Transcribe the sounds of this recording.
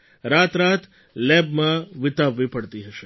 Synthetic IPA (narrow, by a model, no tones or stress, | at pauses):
ɾaːt̪ɾaːt̪ʰ | lɛbmãʋɪt̪aʋːipəɽt̪iɦəʃe